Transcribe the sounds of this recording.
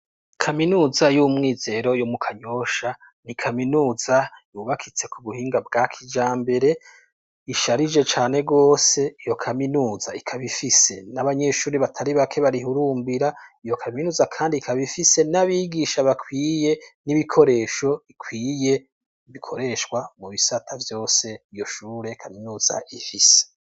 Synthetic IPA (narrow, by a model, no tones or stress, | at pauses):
kʰaminuːzajumŋiːze̞ɾo̞jomukʰaɲo̞ʃa | nikʰaminuːzajuːβakʰit͡se̞kʰuβuhiːŋɡab̚ɡakʰid͡ʒaːmbe̞ɾe̞ | iʃaɾid͡ʒe̞t͡ʃaːne̞ɡo̞ːse̞ijo̞kʰaminuːzaikʰaβifise̞naβaɲe̞ʃuːɾiβatʰaɾiβakʰe̞βaɾihuɾuːmbiɾaijo̞kʰaminuːzakʰaːndikʰaβifise̞naβiɡiʃaβakʰwiːje̞niβikʰo̞ɾe̞ːʃo̞ikʰwiːje̞ | βikʰo̞ɾe̞ʃkwamuβisatʰavjo̞ːse̞ijo̞ʃuːɾe̞kʰaminuːza̰ʔifise̥